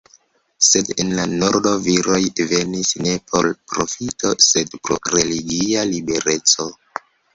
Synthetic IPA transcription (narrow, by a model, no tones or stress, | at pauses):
se̞denlanoɾdo̞viɾo̞jve̞nisne̞pʰo̞lpɾo̞fitʰo̞se̞dpɾo̞̰ɾe̞liɡialibe̞ɾe̞t͡so̞